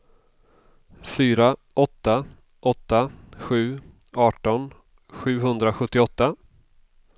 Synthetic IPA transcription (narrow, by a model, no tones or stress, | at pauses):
fyːɾaʔɔt̪ːa | ʔɔt̪ːaɧʉ̟ː | ɑːʈɔn | ɧʉ̟ːɦɵnd̪ɾaɧɵt̪ːɪɔt̪ːa